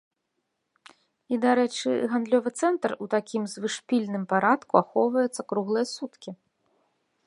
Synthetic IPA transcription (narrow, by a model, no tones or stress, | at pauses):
id̪aɾɛt͡ʂɨ̰ɣand̪lʲɔvɨt̪sɛnt̪rut̪akʲimzvɨʂpʲilʲnɨmpaɾat̪kuaxɔwvɐjɛt̪sːɐkɾuɣlˠɨjɐsut̪kʲi